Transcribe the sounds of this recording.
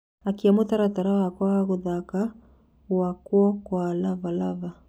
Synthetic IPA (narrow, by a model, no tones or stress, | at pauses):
akiamotaɾataɾawakɔaɣoðaka | wakwɔkwalavalava